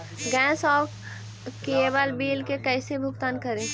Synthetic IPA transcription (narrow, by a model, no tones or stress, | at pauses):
ɡɛ̃ːsɔː | keːbalbiːlkekɛːsebʱʊkt̪aːnkəɾẽː